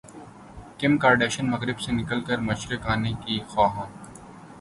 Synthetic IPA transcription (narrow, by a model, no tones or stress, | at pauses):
kɪmkaːɾɖeːʃənmɐɣɾɪbsenɪkəlkəɾmɐʃɾɪkaːnekixaːɦãː